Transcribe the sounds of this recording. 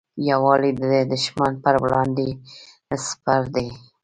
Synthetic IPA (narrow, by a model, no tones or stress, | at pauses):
jawɑlid̪əd̪ed̪ʊʃmanpəɾwlɑnd̪e | spaɾd̪e